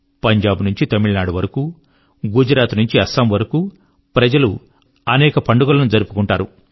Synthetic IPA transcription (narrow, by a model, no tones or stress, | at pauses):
pɐɲd͡ʒaːbnuɲt͡ʃit̪ɐmiɭnaːɖuʋɐɾɐkuː | ɡud͡ʒɾaːt̪nuɲt͡ʃiɐsaːmʋɐɾɐkuː | pɾɐd͡ʒɐlu | ɐnɛːkɐpɐɳɖuɡɐlɐnud͡ʒɐɾupu̥kuɳʈaːɾu